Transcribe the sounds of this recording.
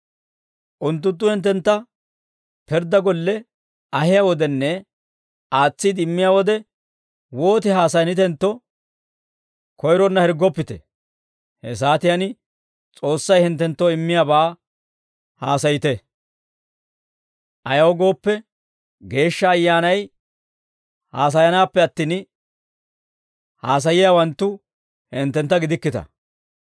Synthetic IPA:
ʔʊnt̪̬ːʊnt̪̬ːʊhɪnt̪ːɛnt̪ːɐ | pɛɾd̪ɐɡɔlːɛ | ɐhɪjawɔd̪ɛnːɛ | aːt͡sːɪd̪ɪmːɪjawɔd̪ɛ | wo̞ːt̪ɪɦaːsɐjnɪt̪ɛnt̪ːɔ | kɔjɾɔnːɐhɛɾɡːɔpːɪt̪ɛ̰ | hɛs̬aːt̪ɪjɐnɪ | t͡sʼo̞ːsːɐjhɪnt̪ːɛnt̪ːɔɪmːɪjaːbɐː | haːsɐjɪt̪ɛ | ʔɐjɐwɔɡo̞ːpːɛ | ɡe̞ːʃːɐːjːaːnɐj | haːs̬ɐjɐnaːpːɛɐt̪ːiːn | haːs̬ɐjɪjawɐnt̪ːʊ | hɪnt̪ːɛnt̪ːɐɡɪd̪ɪkːɪt̪ɐ̰

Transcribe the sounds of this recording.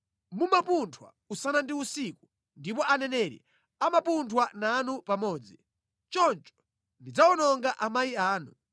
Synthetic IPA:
mumapuntʰwa̰ | usanandiusiku̥ | ndip̬ɔʔanɛnɛɾḭ | amapuntʰwananupamɔːd͡zi | t͡ʃɔnt͡ʃɔ̥ | ndid͡zaɔnɔŋɡaʔamajiaːnu

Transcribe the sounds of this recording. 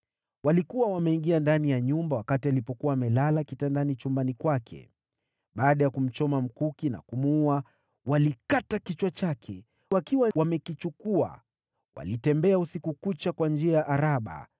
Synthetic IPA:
walikuwawamɛiŋɡiandanijaɲumbawakatialipɔkuwaːmɛlalakitandanit͡ʃumbanikwakʰɛ̰ | ɓaːɗajakum̩t͡ʃɔmam̩kukina̰kumua | walikatakit͡ʃwat͡ʃakʰɛ̰ | wakiwawamɛkit͡ʃukua̰ | wa̰litɛmbɛausikukut͡ʃakwand͡ʒiajaʔaɾaɓa̰

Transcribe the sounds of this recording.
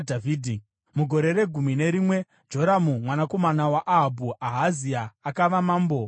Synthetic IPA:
dʱaviːdʱi | muɡʱo̞ɾe̞ɾe̞ɡʱumine̞ɾimwe̞ | d͡ʒo̞ɾamumwanako̞manawaʔaɦabʱuaɦaziaːkaʋamaːmbo̞

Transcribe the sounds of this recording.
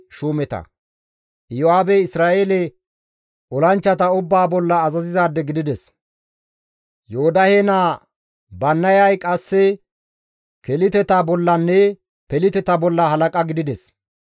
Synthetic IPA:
ʃuːmɛt̪ɐ̰ | joaːbɛɪsɾaːeːlɛ | ɔlɐnt͡ʃːɐt̪ɐʊbːaːbɔlːɐːzɐzɪzaːd̪ːɛɡɪd̪ɪd̪ɛs | joːd̪ɐhenaː | bɐnːɐjɐjkʼɐsːɛ | kɛlɪt̪ɛt̪aːbɔlːɐnːɛ | pɛlɪt̪ɛt̪abɔlːɐhɐlɐkʼɐɡɪd̪ɪd̪ɛs

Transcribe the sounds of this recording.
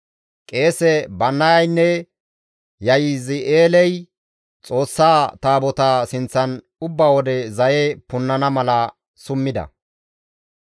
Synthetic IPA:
kʼe̞ːsɛbɐnːɐjɐjnːɛ | jɐjizɪʔeːlɛj | t͡sʼo̞ːsːaːt̪aːbɔt̪asɪnt͡sːɐn | ʊbːawɔd̪ɛzɐjepʊnːɐnɐmɐlɐ | sʊmːɪd̪ɐ̰

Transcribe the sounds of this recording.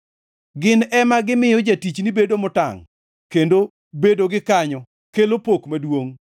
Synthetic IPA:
ɡɪnɛmaɡɪmɪjɔd͡ʒatit͡ʃnibedomʊta̰ŋ | kendo | bedoɡɪkaɲɔ | kelopokmadwoŋ

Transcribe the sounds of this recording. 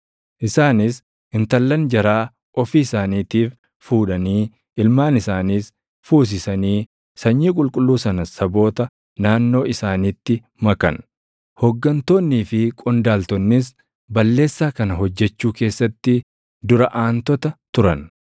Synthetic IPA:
ʔɪsaːnɪs | ɪnt̪ɐlːɐnd͡ʒɐɾaː | ʔɔfiːɪsaːniːt̪iːf | fuːᶑɐniː | ɪlmaːnɪsaːniːs | fuːs̬ɪsɐniː | sɐɲːiːkʼʊlkʼʊlːuːsɐnɐsɐbo̞ːt̪ɐ | naːnːo̞ːɪsaːniːt̪ːɪ | mɐkɐ̰n | hɔɡːɐnt̪o̞ːnːiːfɪkʼɔnd̪aːlt̪ɔnːɪs̬ | bɐlːe̞ːsːaːkɐnɐɦɔd͡ʒːɛt͡ʃːuːke̞ːsːɐt̪ːɪ | d̪ʊɾɐʔaːnt̪ɔt̪ɐt̪ʊɾɐn

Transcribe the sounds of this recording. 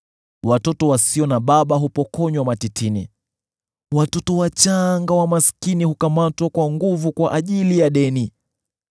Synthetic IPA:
watɔtɔwasiɔnaɓaɓaɦupɔkɔɲwamatitʰini | watɔtɔwat͡ʃaŋɡawamaskinihukamatwakwaŋɡuvukwaʔaʄilijaɗɛni

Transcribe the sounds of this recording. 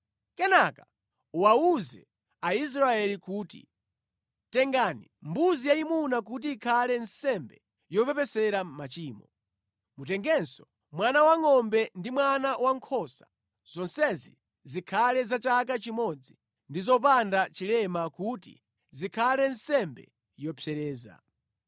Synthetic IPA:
kɛnaka | uwauzɛ̰ | ais̬ɾaɛlikuːtḭ | tɛŋɡanimbuzijaimunak̬ut̬iːkʰalɛnsɛmbɛ | jɔpɛpɛsɛɾamat͡ʃiːmɔ | mutɛŋɡɛnsɔ | mwanawaŋɔmbɛndimwanawaŋkʰɔsḁ | z̥ɔnsɛzḭ | zikʰalɛzat͡ʃak̬at͡ʃimɔd͡zi | ndizɔp̬andat͡ʃilɛmakutḭ | zikʰalɛnsɛmbɛ̰ | jɔpʰjɛɾɛːza̰

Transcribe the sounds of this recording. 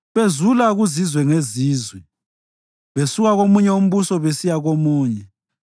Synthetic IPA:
βezulaɣuzizwɛŋeziːzwɛ | βesuɣaɣomuɲɛum̩βusɔβesijaɣomuːɲɛ

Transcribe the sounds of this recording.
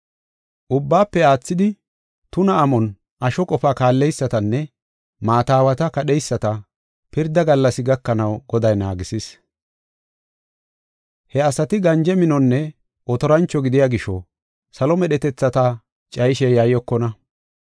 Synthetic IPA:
ʔʊbːaːpːɛaːt͡sːɪd̪ɪ | t̪ʊnɐːmɔn | ʔɐʃɔkʼɔfaːkaːlːɛjsːɐt̪ɐnːɛ | maːt̪aːwɐt̪ɐkɐɗɛjsːɐt̪ɐ | pɪɾd̪ɐɡɐlːɐsɪɡɐkːɐnɐwɡɔd̪ɐjnaːɡɪsɪs | hɛɐsɐt̪ɪɡɐnd͡ʒɛmɪnɔnːɛ | ʔɔt̪ɔɾɐnt͡ʃːɔɡɪd̪ɪjaːɡɪʃɔ | sɐlɔmɛɗɛt̪ɛt͡sːɐt̪ɐ | t͡ʃʼɐjʃɛjaːjɔkːɔnɐ

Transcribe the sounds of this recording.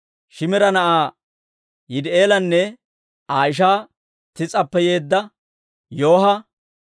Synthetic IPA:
ʃɪmɛɾɐnɐʔaː | jɪd̪e̞ːlɐnːɛ | aːjɪʃ̬aː | t̪ɪt͡sʼɐpːɛjeːd̪ːɐ | joːɦɐ

